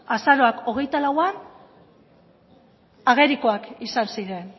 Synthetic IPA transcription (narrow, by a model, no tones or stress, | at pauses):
asaɾo̞ako̞ɣ̞e̞jt̪alawan | aɣ̞eɾiko̞akisansiɾe̞n